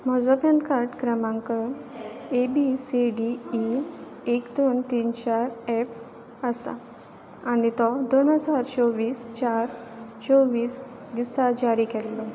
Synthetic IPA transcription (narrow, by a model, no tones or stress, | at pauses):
mɔd͡zɔpə̃nd̪kaɾʈkɾəmãŋkə | ebisiɖiː | ekd̪ont̪iːnt͡ɕaɾef | əsa̰ | anit̪ɔd̪onɦəd͡zaɾt͡ɕɔʋiːst͡ɕaɾt͡ɕɔʋiːs | d̪isad͡ʑaɾikɛlːɔ